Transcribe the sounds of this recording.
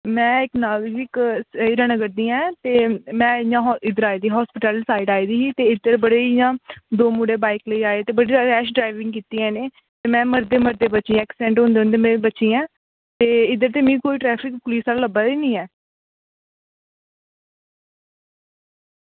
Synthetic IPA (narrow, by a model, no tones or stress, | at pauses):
mɛ̃ːɪknaːld͡ʒɪksiɾənəɡəɾd̪iːɛ̃ːt̪eːmɛ̃ːɪjãːɪd̪əɾaːiːd̪iːɦɔːspɪʈəlsaːɪɖaːiːd̪iːɦiːt̪eːɪd̪əɾbəɽeːɪjãːd̪oːmuɽeːbaːɪkləiːaːet̪eːbəɽiːzaɛːʃɖɾaːɪʋɪ̃ŋɡkiːt̪iːɛ̃ːneː | t̪eːmɛ̃ːməɾd̪eːməɾd̪eːbətːt͡ʃĩːɛːksɛ̃ːɳʈɦõːnd̪eːʊnd̪eːmẽːbətːʃiːɛ̃ː | t̪eːɪd̪əɾt̪eːmĩːkoːiːʈɾɛːpʰɪkpʊliːsaːlaləbaːiːnĩːɛː